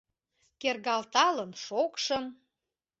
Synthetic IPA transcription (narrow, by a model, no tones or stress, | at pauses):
kerɣɑlt̪ɑlənʃokʃəm